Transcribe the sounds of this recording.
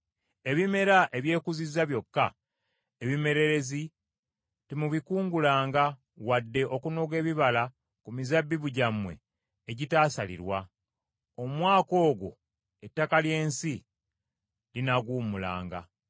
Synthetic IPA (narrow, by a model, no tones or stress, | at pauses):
e̞βime̞ɾaʔe̞βje̞ːkuzizːaβjo̞kːa | eβime̞ɾe̞ɾe̞zi | timuβikuːŋɡulaːŋɡa | wadːe̞ʔo̞kunoɡe̞ːβiβala | kumizabːiβuɟamwe̞̰ː | ɟitaːsalḭɾwa | o̞mwaːko̞ːɡo̰ | e̞tːakalje̞ːnsi | linaɡuːmula̰ːŋɡa̰